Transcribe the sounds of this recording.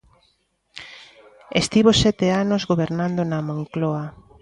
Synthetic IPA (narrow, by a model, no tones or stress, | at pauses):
est̪iβosɛt̪eanozɣoβeɾnand̪onamõŋklɔa